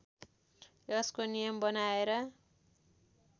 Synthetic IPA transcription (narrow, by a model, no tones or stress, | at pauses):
jʌskonijʌmbʌnaeɾʌ